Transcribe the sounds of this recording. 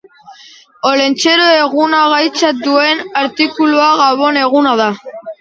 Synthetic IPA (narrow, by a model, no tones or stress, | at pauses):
o̞le̞nt͡ʃe̞ɾoe̞ɣunaɣajt͡sad̪ue̞naɾt̪ikuluaɣaβo̞ne̞ɣunað̞a